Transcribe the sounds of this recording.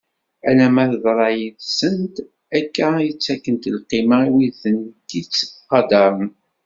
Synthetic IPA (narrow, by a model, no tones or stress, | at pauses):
ænæmæθðˤɾˤɑjiðsənt̪ | ækːæət͡sːækːənt̪əlqimæwiðənt̪it͡sːqːɑd̪ɑɾˤn